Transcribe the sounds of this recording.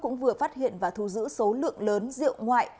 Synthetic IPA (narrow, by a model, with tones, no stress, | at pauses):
kʊ̰˧˥ŋ͡mvɨ˨˩əfaː˦˥t̚hḭ˧˨ənvaː˨˩t̪ʰu˧˩zɨ̰˧˥so˨˦lɨ̰˧˨əŋləː˨˦nzḭ˧˨əwŋwa̰ː˧˨jʔ